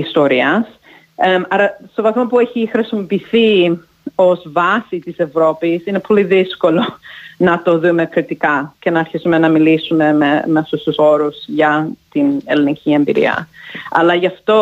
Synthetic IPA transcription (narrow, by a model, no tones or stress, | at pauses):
ist̪oɾiɐs | mɐɾɐst̪o̞vɐθmopueçixɾisimo̞piθi | o̞zvɐsit̪ise̞vɾo̞pisine̞po̞liðisko̞lo̞nɐt̪o̞ðume̞kɾit̪ikɐce̞nɐːɾçisume̞nɐmilisume̞memeɐft̪ust̪uso̞ɾuzʝɐt̪ine̞linicʰʲie̞mbiɾḭɐ̰ɐ̰lɐʝɐft̪o̞